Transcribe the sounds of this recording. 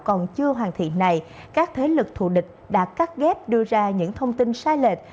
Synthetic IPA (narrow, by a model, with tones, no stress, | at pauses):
kɔ˨˩nt͡ɕɨ˧əɦwaː˨˩ŋt̪ʰḭ˧˨na˨˩j | kaː˦˥k̚t̪ʰe˨˦lɨ˨˩k̚t̪ʰṵ˧˨ɗï˨˩k̟̚ɗa̰ː˧˥ka˦˥t̚ɣɛ˦˥p̚ɗɨ˧əzaː˧ɲɨ̰˧˥ŋt̪ʰə˧wŋ͡mt̪i˧nsaː˨˦jle˨˩t̚